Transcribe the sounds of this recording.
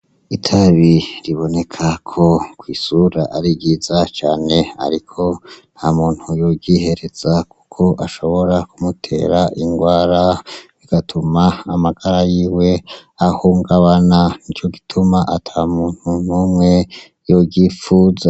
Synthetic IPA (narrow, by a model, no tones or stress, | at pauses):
itʰaβiɾiβo̞ne̞kʰakʰo̞kwiːsuɾa̰ʔaɾiɡiːzat͡ʃaːne̞a̰ɾikʰo̞n̥hamuːn̥hujoɡɟiːhe̞ɾe̞z̥aku̥kʰo̞ʔaʃo̞βo̞ɾakumutʰe̞̰ːɾaʔiŋɡwaːɾaβiɡ̥atʰumaːmaɡ̥aɾajiːwe̞ahuːŋɡaβananit͡ʃo̞ɡi̥tʰumaʔatʰamuːn̥hunuːmŋe̞ | joɟifuːza